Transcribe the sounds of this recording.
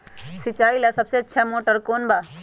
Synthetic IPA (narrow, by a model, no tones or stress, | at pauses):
sɪt͡ʃaːilasɐbseɐtːʃʰɛmoːʈəɾkoːnba